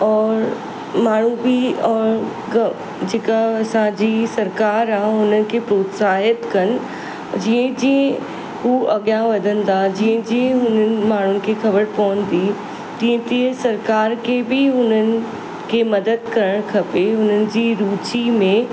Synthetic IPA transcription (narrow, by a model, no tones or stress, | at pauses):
ɔːɾ | maːɳ̤ũbɪɔːɾ | ɡɐ | d͡ʑeːkaɐsãd͡ʑiːsɐɾkaːɾaːɦɦʊnənɪ̆kʰeːpɾoːt̪saːɦət̪kɐnɪ̆ | d͡ʑiːə̃d͡ʑiə̃ | huːʔɐɠjãʋɐd̪ʱə̃n̆d̪ad͡ʑĩːə̃d͡ʑiə̃ɦʊnənɪ̆maːɳ̤ʊnɪ̆kʰexɐbəɾpɐʋə̃nd̪i | t̪ĩːə̃t̪iə̃sɐɾkaːɾkʰebɪɦʊnənɪ̆ | kʰeːmɐd̪əd̪kɐɾəɽ̃kʰɐpeɦʊn̤ənɪ̆d͡ʑiːɾuːt͡ɕimẽ